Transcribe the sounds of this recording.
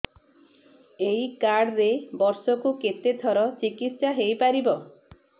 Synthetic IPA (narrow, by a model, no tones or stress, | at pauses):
ejkaɽɾebɔɾsɔkuket̪et̪ʰɔɾɔt͡ʃikit̪ʃaɦejpaɾibɔ